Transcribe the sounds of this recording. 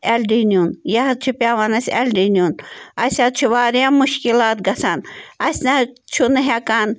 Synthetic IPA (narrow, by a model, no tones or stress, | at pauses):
elɖinʲunjɐɦɐt̪̚t͡ʃʰupʲaːʋanɐsʲelɖinʲunɐsʲat̪̚t͡ʃʰuʋaːɾjamuʃkilaːt̪̚ɡɐsanɐsʲnat͡ʃʰunɦekan